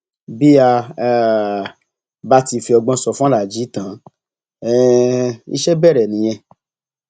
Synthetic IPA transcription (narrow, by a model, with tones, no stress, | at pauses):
bi˦a˧˨ | ba˦ti˧fi˧ɔ˧ɡ͡bɔ̃˧sɔ˧fla˨d͡ʒi˨˦tã˨˦ | ɛ˦˧ḭ˦ʃɛ˦bɛ˦˨ɾɛ˨nĩ˨˦j̃ɛ̃˧